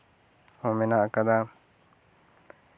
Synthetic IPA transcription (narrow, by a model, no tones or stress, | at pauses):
ɔmɛnaʔkad̪a